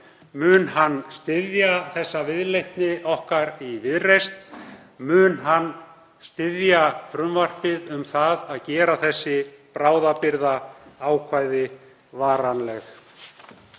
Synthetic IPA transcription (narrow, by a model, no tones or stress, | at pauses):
mʏːnhanːst̪ɪðjaθɛsːavɪðlejht̪nɪʔɔhkaɾivɪðrejst̪ | mʏːnɦanː | st̪ɪðjafɾʏmvar̥pɪðʏmθaðaðcɛːɾaθɛsːɪpɾaːwðapɪɾðaaːwkʰvaːjðɪ | vaːɾanlɛx